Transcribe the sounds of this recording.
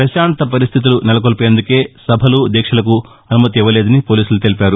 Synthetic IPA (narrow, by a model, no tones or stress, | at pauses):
pɾɐʃaːɳt̪ɐp̬ɐɾist̪ʰit̪̬ulunɛlɐkolpjend̪uke̞ːsɐbʱɐlud̪ɛːkʂɐlɐku | ɐnumɐt̪iʋːɐle̞ːd̪ɐnipo̞ːliːsulut̪elipʲaːɾu